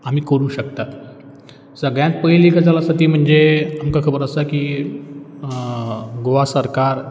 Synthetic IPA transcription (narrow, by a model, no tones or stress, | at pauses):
am̤iːkəɾũːɕək̚t̪at̪ | səɡɭjãnt̪̚pəjlikʰad͡zalasat̪iːm̤əɳd͡zeamkakʰəbəɾəsaki | ɡoʋasəɾkaɾ